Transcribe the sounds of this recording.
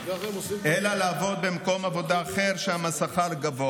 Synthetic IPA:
ʔelalaːvo̞d̪̚bemko̞mavo̞d̪aːχeʁʃeamasaχalɡavoa

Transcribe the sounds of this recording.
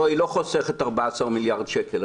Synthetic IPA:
oiloχoseχet̪aʁbaasaʁmiljaʁd̪ʃekel

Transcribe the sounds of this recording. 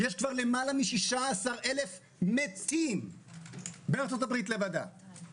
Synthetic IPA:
je̞ʃkvaʁle̞malamiʃiʃaːsaʁe̞le̞f | met͡sim | beaʁt͡so̞t̬abʁit̪levad̪a̰

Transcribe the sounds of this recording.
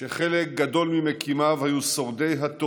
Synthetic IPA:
ʃeχelekk̚ɡad̪o̞lmimekʰimavhajuso̞ʁd̪e̞jɦat̪o

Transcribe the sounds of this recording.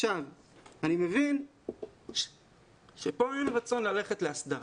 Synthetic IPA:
ʃav | animevin | ʃepo̞emʁat͡so̞nlale̞χetleasd̪aʁ

